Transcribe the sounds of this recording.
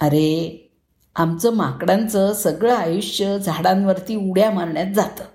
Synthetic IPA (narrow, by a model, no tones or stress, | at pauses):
əɾe | amt͡səmakɽãnt͡səsəɡɭəajuɕjəd͡zʱaɽãnʋəɾt̪iːuɽjamaɾɳjat̪̚d͡zat̪ə